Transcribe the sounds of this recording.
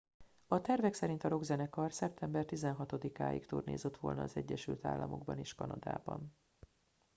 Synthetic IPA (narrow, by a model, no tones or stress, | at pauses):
ɒt̪ɛrvɛksɛɾint̪ɒɾo̞ɡzɛnɛkɒrsɛp̚t̪ʰɛmbɛrt̪izɛnɦɒt̪o̞d̪ikaːjḭkt̪uːrnḛːzet̪ʋo̞̰lnɒːzɛɟːɛʃylt̪a̰ːlːɒmo̞ɡ̚bɒneːʃkɒnɒd̪a̰ːbɒ̰n